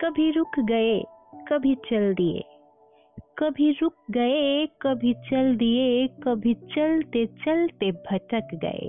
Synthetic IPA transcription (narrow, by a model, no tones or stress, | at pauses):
kəbʱiɾukʰɡəekəbʱit͡ʃəld̪ijḛ | kəbʱiɾuk̚ɡəekəbʱit͡ʃəld̪ijekəbʱit͡ʃəlt̪et͡ʃəlt̪ebʱəʈəkɡə̰ḛ